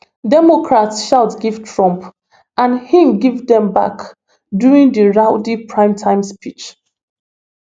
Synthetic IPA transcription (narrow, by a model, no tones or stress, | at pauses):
dɛmɔkɹatsʃaʊtɡiv̥tʰɹɔ̃mp | ʔãnhĩmɡivdɛ̃mba̰k | duɹĩŋdəɹaʊdipʰɹãɪ̃mtʰãɪ̃mspʰit͡ʃ